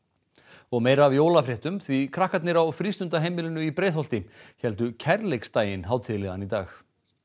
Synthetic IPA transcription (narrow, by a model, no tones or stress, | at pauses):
ɔɣmeːjɾaːvjoːwlafɾɛht̪ʏmθvikʰɾahkat̪nɪɾawfɾist̪ʏnt̪aɦejmɪlɪnʏipɾeːjðɦɔwl̥t̪ɪçɛlt̪ʏcʰɛɾlejkst̪aːjɪnɦaːwt̪ʰɪlɪɣa̰nit̪a̰ːx